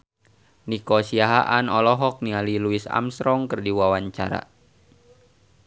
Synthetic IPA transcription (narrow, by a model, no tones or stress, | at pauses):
nikosiaɦaʔanɔlɔɦɔk̚nialiluisa̰msɾɔŋkɨrdiwawaɲt͡ʃa̰ɾa̰